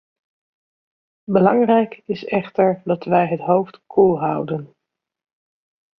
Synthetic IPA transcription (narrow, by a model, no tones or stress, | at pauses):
bəlɑŋrɛjkɪsɛχtəɹdɑtʋɛjɦətɦowftkʰulˠɦɑwdən